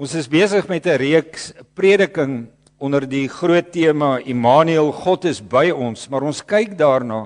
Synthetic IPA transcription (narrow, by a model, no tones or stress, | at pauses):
ɔ̃nsəsbiəsəχmɛtəɾiəkspriədəkəŋ | ɔnərdiχruətːiəmɑimɑːnyəlˠχɔtəsbəjɔnsmɐɾɔnskɐjkdɑːrnɑː